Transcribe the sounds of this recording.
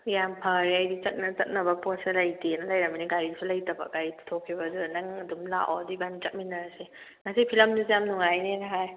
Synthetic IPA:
jampʰaɾiajdit͡ʃɐt̚nɐt͡ʃɐt̚nɐbɐposelajdenɐlajɾɐminiɡaɾisʰilajtɐba̰ɡaɾitʰu̥tʰokʰːibazunaŋɐdumla̰ʔw̰dibant͡ʃɐt̚minɐɾase | ŋasipʰilɐmdizamnuŋajnenaɦaj

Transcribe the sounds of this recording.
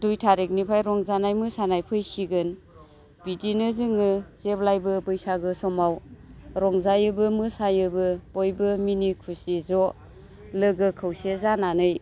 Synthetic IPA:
dujtʰaɾek̚nipʰajɾɔŋzanajmɯsanajpʰɯjsiɡɯn | b̥idinɯzɯŋɯzeplajbɯbɯjsaɡɯsɔmawɾɔŋzajɯbɯmɯsajɯbɯb̥ɔjbɯminikʰusizɔ | lɯɡɯkʰɯwsezananɯj

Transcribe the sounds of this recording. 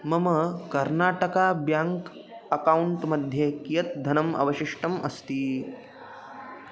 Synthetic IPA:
məməkɐɾnaʈəkabjaŋk | əkauɳʈməd̪ʱjekijət̪̚d̪ʱɐnəmɐ̰ʋəɕiʂʈəmʔɐst̪iː

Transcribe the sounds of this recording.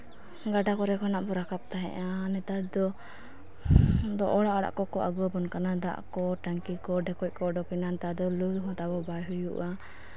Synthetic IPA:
ɡaɖakɔɾɛkɔnaʔbɔɾakap̚t̪aɦɛ̰ʔanɛt̪aɾd̪ɔ | d̪ɔʔɔɽaʔɔɽa̰ʔkɔkɔʔaɡuabɔnkanad̪a̰ʔkɔʈaŋkikɔɖɛkɔc̚ˀkɔɖɔkinant̪ad̪ɔluɦɔ̃t̪abɔbajɦujuʔa

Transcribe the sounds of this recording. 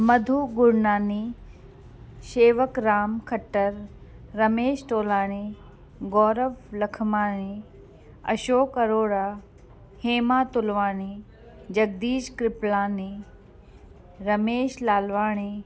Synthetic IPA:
mɐd̪ʱuɡʊɾnaːniː | ʃeːʋəkɾaːmkʰɐʈːəɾːɐmeːʃʈoːlaːɽ̃i | ɡɔːɾəʋlɐkʰmaːɽi | ɐ̰ʃoːkɐɾoːɽaː | heːmaːt̪ʊlʋaːɽ̃i | d͡ʒɐɡ̚d̪iːʃkɾɪplaːni | ɾɐmeːʃlaːlʋaːɽ̃iː

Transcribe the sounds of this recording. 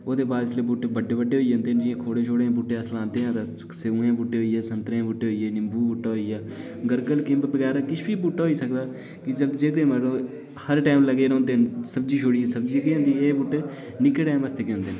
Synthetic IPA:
oːd̪eːbaːd̪ɪsleːbʊʈːeːbəɖeːbəɖeːoːiõːnd̪eːnd͡ʒɪãːkʰoːɽeːt͡ʃʰoːɽẽːbʊʈːeəslãːnd̪eːãːt̪a | seũːẽːbʊʈːeːɦoːiːɛːsənt̪ɾẽːbʊʈːeːɦoːiːeːnɪmbʱuːbʊʈːaːɦoːiːaː | ɡəɾkəlkɪ̃mbbəɡɛːɾakɪt͡ʃʰbiːbʊʈːaːɦoːiːsəkd̪aː | kɪd͡ʒəld͡ʒeːkɽeːməɾlõː | həɾʈaːmləɡeːɾõːnd̪eːnsəb̚d͡ʒiːt͡ʃʰoːɽiːeːsəbd͡ʒiːkeːõːnd̪ieːbʊʈːe | nɪkːeːʈaːməst̪eːkeõnd̪eːn

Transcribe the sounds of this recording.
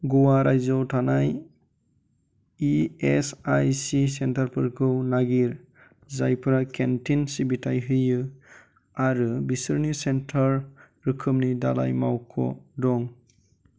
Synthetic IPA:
ɡuwaɾajzɔwtʰanaj | iesajsisentaɾpʰɯɾkʰɯwnaɡiɾ | zajpʰɾakentinsibitʰajɦɯjːɯ | aɾɯbisɯɾnisentʰaɾ | ɾɯkʰɯmnida̰la̰jmawkʰɔ̰dɔŋ

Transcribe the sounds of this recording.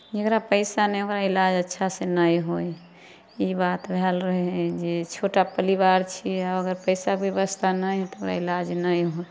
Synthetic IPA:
d͡ʒəkɾapəɪsaneokɾailad͡ʒətːʃʰasenəjɦoj | ibat̪bʱɛlɾəɦɦɛ̃d͡ʒet͡ʃʰoʈapəliβaɾt͡ʃʰiaəɡəɾpəɪsabjəβəst̪ʰanəjt̪okɾa̰ilad͡ʒnəjɦoj

